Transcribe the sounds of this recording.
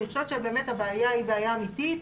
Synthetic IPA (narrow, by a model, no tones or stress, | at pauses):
iχʃot̪ʃebe̞eːmethabeajaibeajaːmit̪it̪